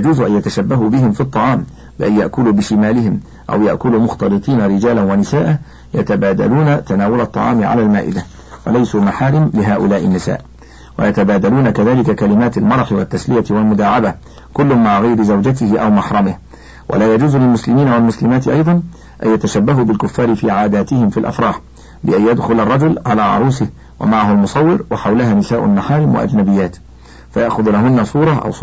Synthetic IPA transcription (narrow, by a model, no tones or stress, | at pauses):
d͡ʒuːzʊʔanjat̪aʃabːaɦuːbɪɦɪmfit̪ˤːɑʕɑːm | bɪʔajjaʔkʊluːbɪʃɪmaːlɪɦɪm | ʔa̰wjaʔkʊlumʊxt̪ɑlɨt̪ˤiːnaɾɪd͡ʒaːlanwanɪsaːʔa | jat̪abaːd̪a̰luːnat̪anaːwʊlɑt̪ˤːɑ̰ʕɑ̰ːmɪʕa̰laːlmaːʔɪ̰d̪a | wa̰lajsuːmaħaːɾɪmlɪɦaːʔʊlaːʔɪnːɪsa̰ːʔ | wa̰jat̪abaːd̪aluːnakaðaːlɪkakalɪmaːt̪almɑɾˤɑħɪwat̪ːaslɪjat̪ɪwalmʊd̪aːʕaba | kʊlːʊnmaʕaɣajɾɪzawd͡ʒat̪ɪhɪʔa̰wmɑħɾˤɑmɪh | wʔa̰laːjad͡ʒuːzlɪlmʊslɪmiːnawalmʊslɪmaːt̪ɪʔɑjd̪ˤɑn | ʔa̰jat̪aʃabːaɦuːbɪlkʊfːɑːɾɪfiːʕaːd̪aːt̪ɪhɪmfilʔa̰fɾˤɑːħ | bɪʔajjad̪xʊlɑrˤːɑd͡ʒʊlʕalaːʕɑ̰ɾˤuːsɪh | wʔa̰maʕaɦʊalmʊsˤɑwːɪɾwaħawlaɦaːnɪsaːʔʊ̰nːaħaːɾɪmwa̰ʔa̰d͡ʒnabɪjːaːt̪ | fajaʔxʊðlaɦʊnːasˤuːɾˤɑʔa̰w